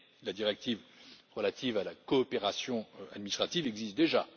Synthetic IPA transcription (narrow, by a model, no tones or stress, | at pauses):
lad̪iʁɛk̚t̪ivʁəlat̪ivalakɔːpeʁasjɔ̃a̰d̪minist̪χat̪ivɛɡzist̪̚d̪eʒa